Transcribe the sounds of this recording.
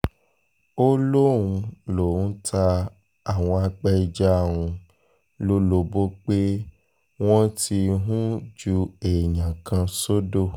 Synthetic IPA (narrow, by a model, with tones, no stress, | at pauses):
o˦lõ˦˨ũ˧lo˨ũ˦tʰa˧ | a˦˨w̃ɔ̃˧a˧k͡pɛ˦i˧d͡ʒa˦˨wũ˧ | lo˦lo˧bo˦k͡pe˦ | w̃ɔ̃˦tʰi˧ɦũ˦d͡ʒu˧e˨ɲã˨kã˧so˦do˦˨